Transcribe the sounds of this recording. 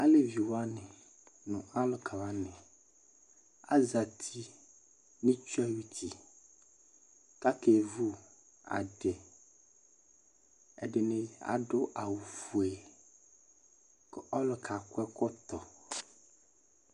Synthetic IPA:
a˦le˨vi˨wa˦nɪ̃˨ | nʊ̃˨a˦lʊ˨kʰa˨wa˦nɪ̃˨ | a̰˦za˨t̪ʰi˦ | nĩ˦t͡ʃu˦ɛ˦wu˦t̪ʰi˨ | ka˦ke˨vu˦ | a̰˨ɖɪ˨ | ɛ̰˨ɖɪ˨nɪ̃˦a̰˨ɖʊ˦ʔa˨wu˨fu˨ɛ˨ | kɔ˦lʊ˨kʰa˨kɛ˦kɔ˦t̪ɔ˨

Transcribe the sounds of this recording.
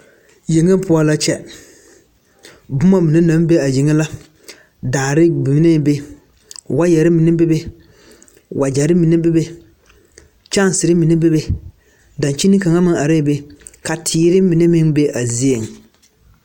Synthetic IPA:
ji˨ŋe˦pʊ˦ɔ˦la˦t͡ʃɛ˦ | bʊ˦ma˦mɪ˨ne˦na˨˦m˦be˦a˨ji˨ŋe˦la˦ | daː˨ɾɪ˦bɪ˨m˦ne˦be˦ | wa˦jɛ˨ɾɪ˦mɪ˨nɪ˦be˦be˦ | wʔa˨d͡ʒa˨ɾɪ˦mi˨ne˦be˦be˦ | t͡ʃa˦n˨sɪ˨ɾɪ˦mɪ˨ne˦be˦be˨ | da˨nt͡ʃi˦nɪ˦ka˨ŋa˦mɪ˦ŋa˨ɾɪ˦˨be˦ | ka˨tʰiː˨˦ɾɪ˦mɪ˨ne˦mɪ˦ŋbe˦ʔa˨zi˦e˨ŋ˨

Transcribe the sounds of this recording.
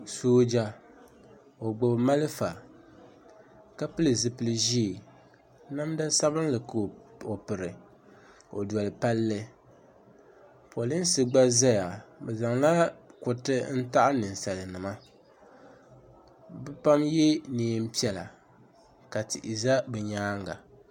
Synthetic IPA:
soː˦d͡ʒa˦ | o˨ɡ͡bʊ˨bma˦lɨ˦fa˨ | ka˦pɨ˦lɨ˨zɨ˨pɨ˦lɨ˦ʒi˦˨ | na˦mda˦sa˦βɨ˦n˦lɨ˨ko˨pɨ˨ɾɨ˨ | o˨dwɔ˨lɨ˨pa˦lːɨ˦ | po˨lɨ˦n˦sɨ˦ɡ͡ba˦za˦ja˨bɛ˨za˨ŋla˦kʊ˨tɨ˦n̩˦ta˦ʔa˦nɨ˨n˨sa˨lɨ˨nɨ˨ma˦ | bɛ˦pa˦mje˦niː˨˦m̩˦pi˦ɛ˨la̰˨ | ka˨tḭ˨ʔi˨za˦bɨ˨ɲaː˦ŋɡa̰˨

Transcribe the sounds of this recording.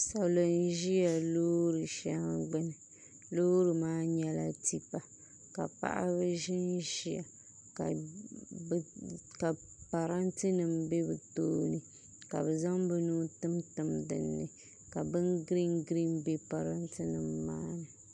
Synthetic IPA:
sa˨lo˨n˦ʒi˦a˨loː˦ɾɨ˨ʃa˦ɡ͡bɛ˦nɨ˨ | lo˦ɾɨ˨maː˦ɲɛ˦la˦ti˦pa˨ | ka̰˨pa̰˦ʔa̰˦bɨ˦ʒɪ˦nʒi˦a˨ | ka˨˦ | ka˨ | pa˨ɾa˦ntɨ˦nɨ˨mbe˦bɨ˨toː˦nɨ˨ | ka˨bɛ˨za˦ŋbɛ˦nuː˦tɨ˦mtɨ˨mdɨ̰˨nːɨ˨ | ka˨bɨ˦nɡɾi˦ŋɡɾi˦nbe˦pa˨ɾa˦ntɨ˦nɨ˨mːa̰ː˦nɨ˨

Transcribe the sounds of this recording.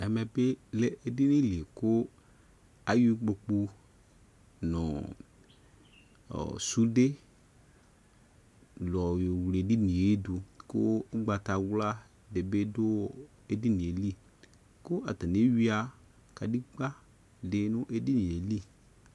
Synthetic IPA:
ɛ˨mɛ˨be˦le˦ʔe˨di˦ni˦le˨kʊ˦ | a˨ju˦ɡ͡bo˧k͡pu˧ | nʊ̃˨ | su˦de˦ | lɔ˨jo˨wle˨di˦nĩ˨e˦du˨kʊ̰˦ɡ͡ba˨ta˨wla˦ | de˨be˦dʊ˦ | e˨di˦nĩ˨e˨li˦ | kʊ˦ʔa˨ta˨ni˨˦wi˦a˨ | ka˨di˦ɡ͡ba˦ | dɪ˨nʊ̃˦ʔe˨di˦nĩ˨e˨li˦˨

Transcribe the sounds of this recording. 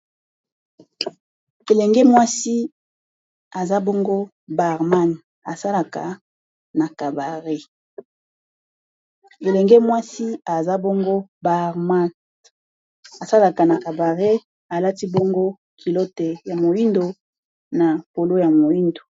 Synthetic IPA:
e˨lɛ˨ŋɡɛ˦mwa˦si˦ | a˨za˦bo˦ŋɡo˦ | ba˨ʁma˦n˨ | a˨sa˦la˦˨ka̰˨ | na˨ka˨ba˨ʁe˦ | e˨lɛ˨ŋɡɛ˦mwa˦si˦a˨za˦bo˦ŋɡo˦ba˨ʁma˦ | a˨sa˦la˨ka˨na˨ka˨ba˨ʁe˦ | a˨la˦ti˦bo˦ŋɡo˦ | kʰi˨lo˦te˨ja˨mo˨ji˦ndo˨ | na˨po˨lo˦ja˨mo˨ji˦ndo˨

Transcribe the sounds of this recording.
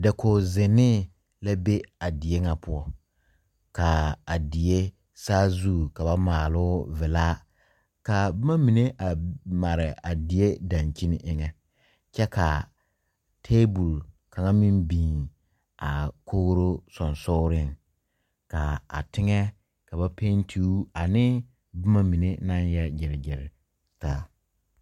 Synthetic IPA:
dɛ˨kʰo˨zɪ˨nɪ˦ | la˦be˦a˨dɪ˨e˦ŋa˨pʊ˦ɔ˦ | ka˨a˨dɪ˨je˦ | saː˦zuː˦˨ka˨ba˦maː˨lʊ˦vɪ˨laː˦ | ka˨˦ma˦mi˨ne˦ʔa˨ma˨ɾɪ˨a˨dɪ˨e˦da˨nt͡ʃi˦nɪ˦ʔɪ˦ŋɛ˦ | t͡ʃɛ˦kʰa˨ | tʰeː˦bu˨l | ka˨ŋa˦mi˦nbĩː˨ | a˨kʰo˦ɣɾo˦sɔ˨nsʊː˦ɾɪ˦˨ŋ | ka˨a̰˨tʰɪ˦ŋɛ˦ | ka˨ba˦pʰe˦ntʰi˦u˦a˨nɪ˦ | bɪ˦ma˦mi˨ne˦na˦njɛ˦d͡ʒɪ˨ɾɪ˨ɡɪ˨ɾɪ˨ | taː˦

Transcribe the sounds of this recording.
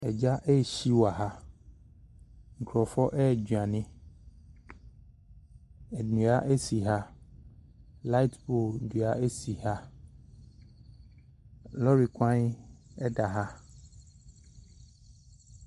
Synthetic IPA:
ɛ˨d͡ʑa˦ʔɛ˦˨ɕi˦wa˨ɦa˦ | ŋ̩˨kɾɔ˨fɔ˦ʔɛ˦˨d͡ʑu˨a˨nɪ̃˦ | ɛ˨nũ˨a˦ʔe˦si˨ɦa˦ | la˦i˦tbo˦˨du˨a˨˦e˦si˨ha˦ | lɔ˦ɾi˨kʷã˦ɲ˦ɛ˦ɖa˨ɦa˦

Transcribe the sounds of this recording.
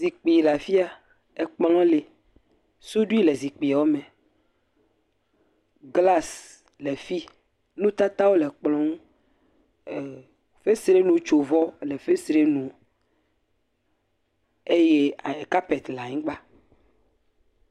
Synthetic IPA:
zi˨k͡pi˨la˨fi˦a˨ | e˨k͡pɔ˦ã˦le˨ | so˦ɖu˦i˦le˨zi˨k͡pi˨a˨wo˦mẽ˨ | ɡla˦s | le˨fi˦ | nũ˦t̪a˦t̪a˦wo˦lɛ˨k͡plɔ̃˦ŋũ˦˨ | fe˦sɾe˦nũ˨t͡ʃo˨vɔ˦le˨fe˦sɾe˦nũ˨ | e˦je˦a˨e˨ka˦pe˨t̪la˨ɲĩ˦ɡ͡ba˦

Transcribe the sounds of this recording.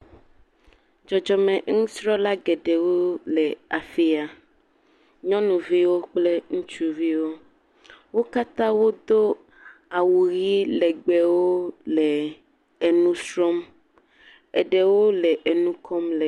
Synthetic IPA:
d͡ʒɔ˨d͡ʒɔ˨mɛ̃˨ŋũ˦sɾɔ˦la˦ɡɛ˨ɖɛ˨wo˦lɛ˨a˨fi˦a˨ | ɲɔ̃˦nũ˨vi˦wo˦k͡ple˦ŋũ˦t͡ʃu˦vi˦wo˦ | wo˦ka˦t̪ã˦wo˦d̪o˦ | a˨wu˨ɣi˦lɛ˨ɡ͡bɛ˦wo˦lɛ˨ | e˨nũ˦sɾɔ˦m | ɛ˨ɖɛ˨wo˦lɛ˨ʔe˨nũ˦kʰɔ˦mlɛ˨

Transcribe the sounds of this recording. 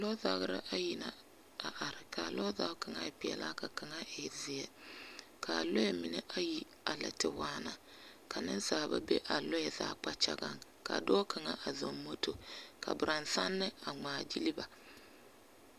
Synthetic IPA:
lɔ˦ða˨˦ɡɾa̰˦ʔa˦ji˨na˨ | a˨ʔa˨ɾɪ˨kʰa˨lɔ˦ða˦ka˨ŋa˦ɪ˨pɪ˨ɛ̰˨la˦ka˨ka˨ŋa˦ʔɪ˨zɪ˨ɛ˦ | kʰa˨lɔ˦ɛ˦˨mɪ˨ne˦ʔa˦ji˦ | a˨la̰˨tɪ˨waː˦na˨ | kʰa˨nɪ˦n˦saː˨ba̰˦be˦ʔa˨lɔ˦ɛ˨za̰ː˨k͡pa˦t͡ʃa̰˦ɡa˦ŋka̰˨dɔː˦kʰa˨ŋa˦ʔa˨zo˨mːo˦to˨kʰa̰˨bɪ˨ɾa˨nsa˦nːɪ˦a˨ŋ͡maː˨d͡ʒi˦li˦ba˨

